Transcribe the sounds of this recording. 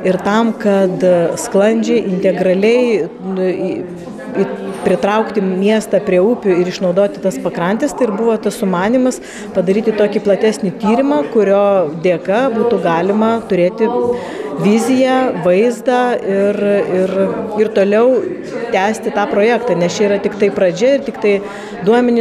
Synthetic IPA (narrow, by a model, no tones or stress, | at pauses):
ɪɾt̪ɐmkɐt̪sklˠɐnʲd͡ʒʲɛɪʔɪnʲt̪ʲɛɡɾɐlʲɛɪ | ipʲɾʲɪt̪ɾɐʊkt̪ʲɪmʲiɛst̪ɑpʲɾʲiɛuːpʲʊɪɾɪʃnɒʊd̪oːt̪ʲɪt̪ɐspɐkɾɐnʲt̪ʲɪst̪ɐɪɪrbuʋoːt̪ɐssʊmɑːnʲimɐs | pɐd̪ɐɾʲiːt̪ʲɪt̪oːkʲiplˠɐt̪ʲæːsʲnʲɪt̪ʲiːɾʲɪmɑkʊɾʲoːd̪ʲeːkɐbuːt̪ʊɡɑːlʲɪmɐt̪ʊɾʲeːt̪ʲɪ | ʋʲɪzʲɪjæʋɐɪzd̪ɑːɪrɪrɪrt̪oːlʲɛʊ | t̪ʲæːsʲt̪ʲɪt̪ɑːpɾoːjæːkt̪ɑːnʲɛst͡ʃʲɛiɾɐt̪ʲɪkt̪ɐɪpɾɐd͡ʒʲɛɪrt̪ʲɪkt̪ɐɪ | d̪uɔmʲɛnʲɪ